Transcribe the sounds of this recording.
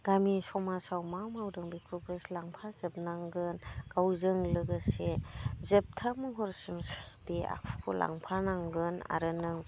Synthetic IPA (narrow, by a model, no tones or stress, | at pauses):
ɡ̥amisɔmasawmawmawdɯŋbikʰubɯslaŋpʰazɯp̚naŋɡɯnɡ̥awzɯŋlɯɡɯsezɯp̚tʰamɯŋɦɔɾsɯmbia̰k̚ʰkʰula̰ŋpʰanaŋɡɯna̰ɾɯnɯŋ